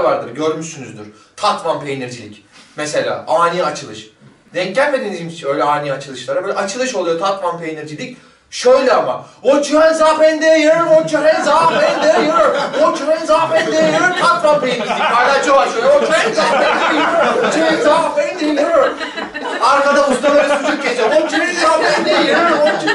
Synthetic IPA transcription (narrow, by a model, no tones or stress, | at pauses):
vaɾd̪ɯɾɟø̞ɾmyʃsynyzd̪yɾ̥ | t̪ʰat̪manpʰejniɾd͡ʒilʲḭcmese̞lʲa̰ːʔaːnʲiat͡ʃʰɯlˠɯʃ | d̪ɛɲclʲælʲmed̪id̪iːmist͡ʃʰø̞jlʲɛaːnʲiat͡ʃʰɯlˠɯʃlˠaɾabøjlʲɛʔat͡ʃʰɯlˠɯʃo̞lˠujo̞t̪ʰat̪manpʰejniɾd͡ʒilʲic | ʃøjlʲɛama̰ot͡ʃʰymɛnzaːfɛnd̪ejɛjɾɾɯmot͡ʃʰaɾɛnzaːfɛnd̪eɛjɯɾoɾot͡ʃʰumɛnzaːfɛnd̪ejɛjɯɾɯɾt̪ʰat̪mampejinad͡ʒ̪id̪ihaːjlʲaːt͡ʃʰoaʃøjlɛot͡ʃʰumɛnzaːfɛnd̪ajɾot͡ʃʰumɛnzaːfɛnd̪ejjɯɾjoɾ | aɾkad̪aust̪ʰalˠaɾɯyzʰt͡ʃʲʰet͡ʃeot͡ʃʰymnzaːfɛnd̪ejjɯɾɯɾmot͡ʃ